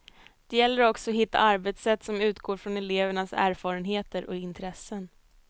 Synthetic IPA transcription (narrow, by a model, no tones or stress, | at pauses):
d̪̥ɛjɛlːəɾɔksɔːɦɪt̪ːa̰aɾbɛt̪sɛt̪ːsɔmʉ̟ːt̪ɡoːɾfɾɔnɛleːvəɳasæ̰ːɾfɑːɾənɦeːt̪əɾʔɔ̰kɪnt̪ʰɾɛsːən